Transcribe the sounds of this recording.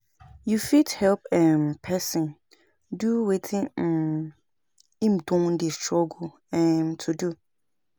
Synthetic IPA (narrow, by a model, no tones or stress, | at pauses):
jufithɛlp̚ɛ̃mpʰɛsɪ̃n | duwetʰɪ̃ | ĩmdɔ̃ŋn̩dɪstʰɹɔɡo | ɛ̃mtʰudu